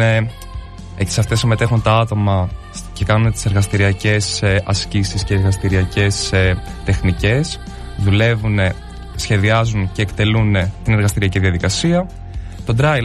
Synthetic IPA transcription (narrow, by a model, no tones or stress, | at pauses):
e | eci̥sɐft̪esime̞t̪e̞xunt̪ɐɐt̪o̞mɐ | ce̞kɐnunet̪i̥seɾɣɐst̪iɾiɐce̞sʔɐscisisceeɾɣɐst̪iɾiɐce̞st̪e̞xnice̞s | ðule̞vune | sçe̞ðiɐzunce̞ːkt̪e̞lunet̪ineɾɣɐst̪iɾiɐciðiɐðikɐsiɐ | t̪o̞d̪ɾɐ